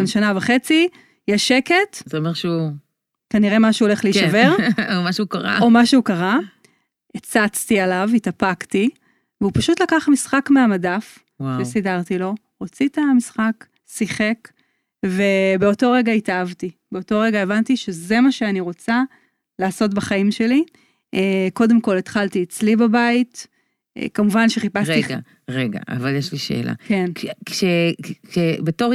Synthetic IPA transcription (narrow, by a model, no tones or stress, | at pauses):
benʃanavaχe̞t͡si | jeʃe̞ke̞tzeomeʁʃu | kaniʁe̞maʃuːole̞χleiʃaveʁomaʃeukaʁa̰o̞maʃeukaʁa | et͡sat͡stialavitapakti | veupaʃutlakaχmisχakmeamadaf | waʃesidaʁtilo̞ | ʁot͡sitamisχak | siχe̞k | ve̞beo̞to̞ʁeɡaitaavtibe̞oto̞ʁeɡaevantiʃe̞ze̞maʃeaniʁo̞t͡sa | laːsot̬baχaimʃe̞li | eko̞de̞mko̞letχaltiet͡slibabait | kamuvanʃeχipasʁia | ʁeɡa̰ʔa̰valjeʃliʃḛːla̰kenkʃeʃebeto